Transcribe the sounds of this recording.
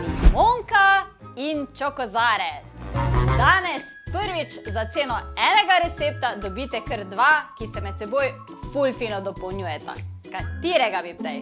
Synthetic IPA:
imoŋkaint͡ʃɔkɔzaːɾɛ | d̪aːnɛspəɾʋit͡ʃzat̪seːnɔɛːnɛɡaɾɛt̪seːp̚t̪ad̪ɔbiːt̪ɛkəɾd̪ʋakisɛmɛt̪̚sɛboːj | fulfiːnɔd̪ɔpɔwnjuːjɛt̪a̰kat̪iːɾɛɡabipɾɛj

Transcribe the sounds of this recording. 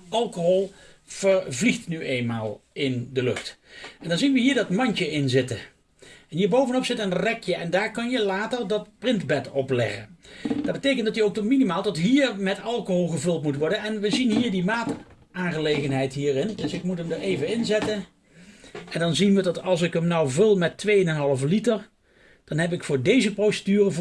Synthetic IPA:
ɑlˠkoɦɔlˠ | v̥əɹvliχtnyʔejnmaːlˠɪndəlɵχtɛndɑnzinʋəɦiːɹdɑtmɑntəɪnzɪtə | ɛnɦiːɹbowvənɔpsɪtənrɛkʰjəʔɛndaːɹkɑnjəlaːtəɹdɑt̚prɪntbɛtɔplɛ̰χə̰ndɑd̚bətejkəntdɑtjəowktɔminimaːlˠdɑtɦiːɹmɛtɑlˠkoɦolˠχəvɵlˠtmutʋɔɹdənɛnʋəzinɦiːɹdimaːt | aːnχəlejχənɦɛjtɦiːrɪndɵsɪkmutəmdəɹejvənɪnzɛtən | ɛndɑnzinʋədɑtɑlˠsɪkəmnɑwvɪlˠmɛtːʋejənɛnɦɑlˠəflitəɹ | d̥ɑnɦɛpɪkfʊːɹdejzəprowsədyːrəv

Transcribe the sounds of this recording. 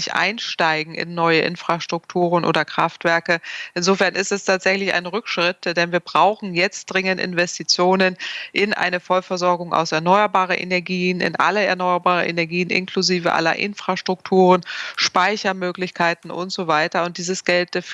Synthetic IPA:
ɪçʔa̰ɪnʃtaɪɡŋ̩ɪ̰nːɔʏəʔɪ̰nfʁ̥aʃtʁ̥ʊktʰuːʁənʔo̰ːdɐkʁ̥aftv̥ɛɐkəʔɪnzoːfɛɐnɪstɛstʰaːtz̥ɛçlɪça̰ɪnʁʏkʃʁ̥ɪtd̥ɛnviːɐbʁaʊxn̩jɛt͡std̥ʁɪŋəntʔɪ̰nvɛstit͡sjoːnənʔɪnʔa̰ɪnəfɔlfɛɐzɔɐɡʊŋʔa̰ʊsɛɐnɔʏɐbaːʁənʔḛnɛɐɡiːənɪ̰nʔa̰ləɛ̰ɐnɔʏɐbaːʁə̰ʔḛnɛɐɡiːənʔɪ̰nkʰl̥uziːvə̰ʔa̰lɐ̰ʔɪ̰nfʁ̥aʃtʁ̥ʊktʰuːʁənʃpaɪçɐmøːklɪçkʰaɪtn̩ʔʊ̰ntz̥ovaɪtɐʊntd̥iːzəsɡ̥ɛlt̚d

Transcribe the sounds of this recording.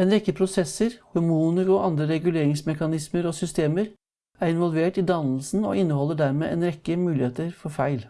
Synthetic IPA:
ɛnɾɛkːəpʰɾʊsɛsːəɾhʊɾmuːnəɾɔʔɑnd̪ɾəɾɛɡʉleːɾɪŋsmɛkɑnɪsməɾɔsʏst̪eːməɾ | æɾɪnʋɔlʋeːʈɪd̪ɑnl̩sn̩ɔ̰ɪnːəhɔlːəɖæɾmḛːeːnɾɛkːəmʉːlɪheːt̪əɾfɔɾfæɪl

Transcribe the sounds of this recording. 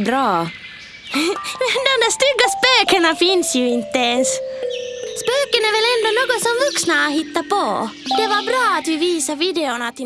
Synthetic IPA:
bɾɑː | mɛnd̪ɔmd̪æːʂt̪ʏɡːaspøːkəɳafɪnsjɵɪnt̪ːəɛns | spøːkənæɾvɛlɛnd̪ɔnoːɡɔt̪sɔmvɵksnaːɦɪt̪ːapʰɔd̪̥ɛvaɾbɾɑːat̪vɪviːsaɾviːd̪ɛʊɳat̪ɪ

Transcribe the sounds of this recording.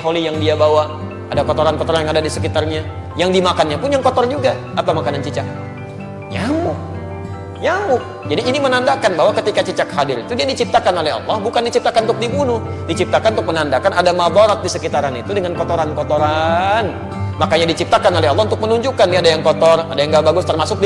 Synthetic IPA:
ɦolijaŋdiabawa | adakɔt̪oɾankɔt̪ɔɾanjaŋadadisəkit̪arɲa | jaŋdimakanɲapʊnjaŋkɔt̪ɔrd͡ʒuɡa | ʔat̪awmakanant͡ʃət͡ʃak̚ | ɲamʊk̚ | ɲamʊk̚d͡ʒadiːnimənandakanbaɦwakət̪ikat͡ʃət͡ʃakhadɪɾit̪udiadit͡ʃip̚t̪akanolɛɦa̰lːɔhbukandit͡ʃip̚t̪akanunt̪ʊk̚dibunʊhdit͡ʃip̚t̪akanunt̪ʊk̚mənandakanadamabaɾat̪̚disəkit̪aɾanit̪udəŋankot̪oɾankɔt̪ɔɾan | makaɲadit͡ʃip̚t̪akanolɛɦalːɑhunt̪ʊk̚mənuɲd͡ʒukandiadajaŋkɔt̪ɔradajaŋɡabaɡʊst̪ərmasʊk̚d

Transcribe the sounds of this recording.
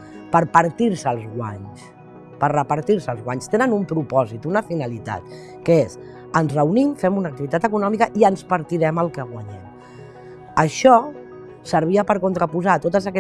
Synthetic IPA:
pəɾpəɾt̪iɾsəlˠzɣwa̰ɲs | pərrəpəɾt̪iɾsəlˠzɣwaɲst̪enənumpɾupɔzit̪unəfinəlit̪a̰t̪ | kəes | ənzrəunimfɛmunək̚t̪iβit̪at̪əkunɔmikəʔiənspəɾt̪iɾɛməlˠkəɣwaɲɛm | əʃɔ | səɾβ̞iəpəɾkunt̪ɾəpuzat̪ot̪əzəkɛ

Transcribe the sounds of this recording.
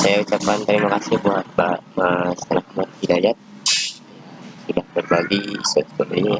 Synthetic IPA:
sajaut͡ʃap̚kant̪əɾimakasɪhbuɦat̪̚bamast̪anakəmat̪hidajat̪̚ | asudahbərbaɡisɔt̪̚koloɲ

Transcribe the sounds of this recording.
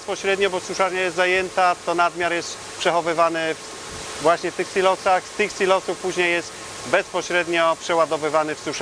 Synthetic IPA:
spɔɕɾɛd̪ɲɔbɔsuʂaɾɲɛjɛst̪zajɛnt̪at̪ɔnad̪mʲjaɾjɛst̪ | pʂɛxɔvɘvanɘf | vwaɕɲɛft̪ɘxsʲilɔsaxst̪ɘxsʲilɔsufpuʑɲejːɛst̪ | bɛspɔɕɾɛd̪ɲɔpʂɛwad̪ɔvɘvanɘfsuʂ

